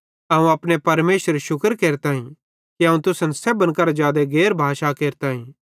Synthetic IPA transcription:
ɐũɐːpɽepɐɾmeːʃəɾʃʊkəɾkeːɾt̪ãːĩ | kiɐũt̪ʊsə̃nsɛbənkɐɾad͡ʒaːd̪eɡeːɾbʱaːʃakeːɾt̪aːĩː

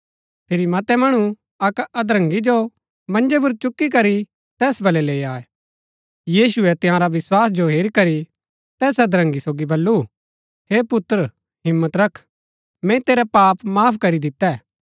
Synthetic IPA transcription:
pʰɪɾimɐt̪ɛmɐɽ̃u | ɐkɐd̪ɾɐ̃ŋɡid͡ʒo | mɐ̃nd͡ʒɛp̬ʊɾt͡ʃʊkːik̬ɐɾi | t̪ɛːsbɐlɛleːaːɛ | jiːsʊɛt̪ɪɦãɾaʋɪswaːsd͡ʒoɦeːɾikɐɾi | t̪ɛːsɐd̪ɾə̃ŋɡisoːɡibɐlːu | heːpʊt̪ːɾ | ɦɪmːət̪ɾɐkʰ | mɛ̃t̪eːɾapaːpmaːpʰkɐɾid̪ɪt̪ːɛ

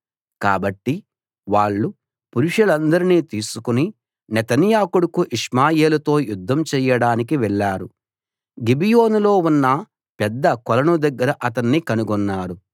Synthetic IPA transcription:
kaːbɐʈːi | ʋaːɭːu | puɾuʂɐlɐnd̪ɐɾiniːt̪iːsukuni | nɛt̪ɐnjaːkuɽɐkuʔiʂmaːjeːlɐt̪o̞ːjud̪ʱːɐmt͡ʃɛːjɐɽaːnik̬iʋɛɭːaːɾu | ɡibijo̞ːnulo̞ːunːɐ | pɛd̪ːɐkɔlɐnud̪ɐɡːɐɾɐʔɐt̪ɐnːikɐnuɡɔnːaːɾu

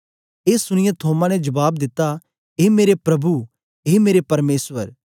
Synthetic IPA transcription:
eːsʊɽ̃ɪjẽt̪ʰoːmãnɛd͡ʒɐbaːb̚d̪ɪt̪ːa | eːmeːɾepɾɐbu | ɦeːmeːɾepɐɾmeːsʋəɾ

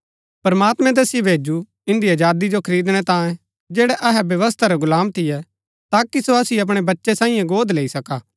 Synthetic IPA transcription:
pɐɾmaːt̪mɛ̃t̪̬ɛːsɪebʱeːd͡ʒu | ɪ̃nd̪iɐd͡ʒaːd̪id͡ʒokʰɐɾiːd̪ɽ̃ɛt̪ãːẽ | d͡ʒɛːɽɛʔɐɦɛbjɐʋəst̪ʰaɾɛɡʊlaːmt̪ʰɪjɛ | t̪aːkisoɐsiɐp̬ɽ̃ebɐtːʃɛsãːĩjãɡoːd̪leːisɐkaː

